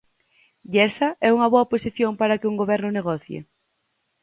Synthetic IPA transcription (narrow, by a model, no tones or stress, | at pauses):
ʎɛsɐɛuŋɐβoɐposiθjoŋpaɾɐkɪuŋɡoβɛɾnʊneɣɔθjḛ